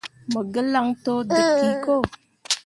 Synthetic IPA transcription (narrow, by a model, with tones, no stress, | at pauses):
mə˨ɡə˦la˦ŋto˦də˨˦ki˨ko˦˨